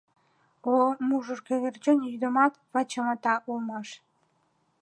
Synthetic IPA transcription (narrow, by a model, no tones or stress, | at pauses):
omuʒə̆rkeɣert͡ɕənyd̪ə̆mɑt̪vɑt͡ɕɑmɑt̪ɑʔulˠmɑʃ